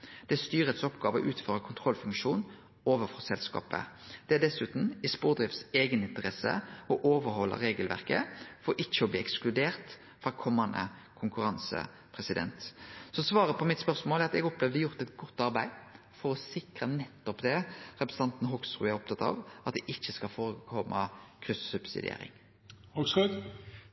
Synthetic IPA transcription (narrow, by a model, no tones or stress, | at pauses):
d̪̥ɛæst̪yːɾət̪sɔpɡɑːʋəɔ̰ʔʉːt̪føːɾəkʰʊnt̪ʰʁɔlfʉŋkʂuːn | oːʋəfɔsɛlskɑ̰ːpə̰d̪̥ɛæd̪ɛsʉːt̪n̩ɪspuːʁd̪ʁɪft̪seːɡənɪnt̪əʁɛsə̰ɔʔoːʋəɾhɔlːə̰ɾeːɡəlʋæ̰ʁkəfɔɾʔɪçːəɔbliːɛksklʉd̪eːʁt̪ | fʁɑkʰɔmːɑnd̪ə̰ | kʰʊŋkʉɾɑnsə̰ | pʰʁɛsɪd̪ɛ̰nt̪sɔsʋɑːɾəpʰɔmɪt̪spœʁsmoːlæɾɑt̪ɛɡɔplɛːʋd̪əjʊʁt̪ɛt̪ɡɔt̪ːɑʁbæɪ | fɔɾɔsɪkʁənɛt̪ːɔpd̪ɛɾɛpɾəsəɑnt̪n̩ɦɔɡsʁʉ̰ːæɾʁɔp̚t̪ʰɑt̪ɑ̰ʋʔɑt̪̚d̪ɛʔɪçːəskɑlfoːɾəkʰɔmːʔɑkʰɾʏssʉb̥sɪ̰d̪ɪ̰ḛːɾɪ̰ŋ | hɔɡsʉ